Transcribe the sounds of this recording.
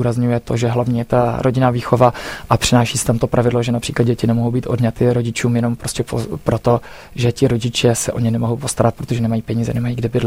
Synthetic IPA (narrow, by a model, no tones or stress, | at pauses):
uːɾazɲujɛt̪o̞ʒɛɦlavɲiːjɛt̪aɾo̞ɟɪnaːviːxo̞vaʔapr̥ɪnaːʃiːsɪt̪amt̪o̞pɾavɪdloʒɛnapr̝̥iːklad̪ɟɛcɪnɛmoɦowbiːt̪ʔo̞̰dɲat̪ɪɾo̞ɟɪt͡ʃuːmjɛno̞mpɾoscɛpopɾo̞t̪o̞ | ʒɛcɪɾo̞ɟɪt͡ʃɛsɛʔo̞ɲɛnɛmoɦowpo̞st̪aɾat̪pɾot̪o̞ʒɛnɛmajiːpɛɲiːzɛ̰nɛmajiːɡdɪbɪdlɛ